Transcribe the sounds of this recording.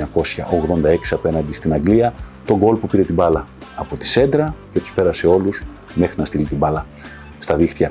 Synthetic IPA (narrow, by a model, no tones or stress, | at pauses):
ɐko̞sçɐʔo̞ɣðo̞nd̪ɐe̞ksiɐpe̞nɐnd̪ist̪inɐŋɡliɐt̪o̞ɡo̞lpupiɾe̞t̪ibɐlɐːpo̞t̪i̥se̞nd̪ɾɐce̞t̪u̥spe̞ɾɐse̞o̞lus | me̞xɾinɐst̪ilit̪ibɐlɐ | st̪ɐðixt̪ijɐ